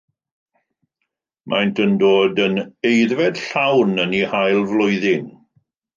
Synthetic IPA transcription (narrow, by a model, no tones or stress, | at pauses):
mʔa̰jntʰəndoːdənejðvɛd̥ɬawnənihajlˠvlˠʊjðɪn